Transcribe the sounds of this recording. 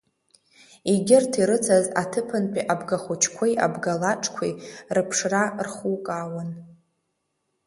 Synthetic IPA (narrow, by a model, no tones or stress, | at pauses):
iɡʲɪrtʰiɾɨt͡sʰaza̰tʰɨpʰɨnpʼiʔabɡaχʷut͡ʃʰkʷʰejʔa̰bɡalaʈ͡ʂʼʰkʷʰḭrɨpʰʂrarχukʼaːwan